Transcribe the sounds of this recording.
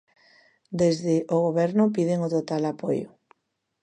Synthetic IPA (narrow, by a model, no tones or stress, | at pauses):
d̪ezðɪʔoɣoβɛɾnʊpiðeŋot̪ot̪alapojʊ̰